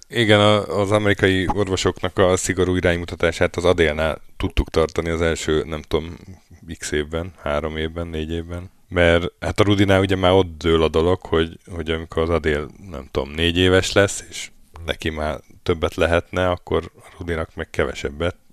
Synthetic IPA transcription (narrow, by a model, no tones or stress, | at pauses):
iɡɛnɒːzɒmɛɾikɒjio̞rvo̞ʃo̞knɒkɒsiɡo̞ɾuːiɾaːɲmut̪ɒt̪aːʃaːt̪ɒzɒd̪eːlnaːlt̪ut̪ːukt̪ɒrt̪ɒniɒzɛlʃøːnɛmt̪o̞mikseːvbɛnhaːɾo̞meːvbɛnːeːɟeːvbɛn | mɛrhat̪ɒɾud̪inaːuɟɛmaːɾo̞t̪ːøːlɒd̪o̞lo̞kho̞ɟho̞ɟɒmikʰo̞ɾɒzɒd̪eːlnɛ̰mt̪o̞̰mneːɟeːvɛʃlɛsːe̥ːʃ | nɛ̰kimaːt̪ø̞bːɛt̪lɛɦɛt̪nɛɒkːo̞ɾɒɾud̪inɒkmɛkkɛvɛ̰ʃɛbːɛt̪